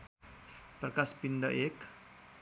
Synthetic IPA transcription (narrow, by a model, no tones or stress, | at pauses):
pərkaspindaʔɪk